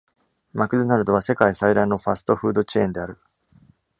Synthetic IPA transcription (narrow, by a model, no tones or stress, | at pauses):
makɯ̟d̪ɯnaɾɯ̟d̪o̞β̞ase̞kaisaid̪aino̞ɸasɨ̥t̪o̞ɸɯ̟ːd̪o̞t͡ɕẽ̞̰ːnd̪e̞aɾɯ̟